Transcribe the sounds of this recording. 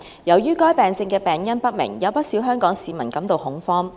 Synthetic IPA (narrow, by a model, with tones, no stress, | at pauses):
jɐ˨˩wjyː˥kɔː˥jpɛː˨˩ŋt͡sɪ˧ŋkɛː˧pɛː˨˩ŋjɐ˥npɐ˥t̚mɪ̰˨˩ŋjɐ˨˧wpɐ˥t̚siː˨˥wɦœː˥ŋkɔː˨˥ŋsiː˨mɐ̰˨˩nkɐ˨˥mt̪o˨whʊ˨˥ŋfɔː˥m